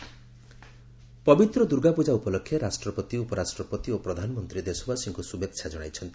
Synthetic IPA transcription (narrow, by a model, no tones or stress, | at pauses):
pɔbit̪ɾɔd̪uɾɡapud͡ʒaupɔlɔkʰːjɔɾasʈɾɔpɔt̪iupɔɾasʈɾɔpɔt̪iopɾɔd̪ʱanɔmɔnt̪ɾid̪esɔbasiŋkusubekt͡ʃʰad͡ʒɔɽ̃a̰jt͡ʃʰɔnt̪i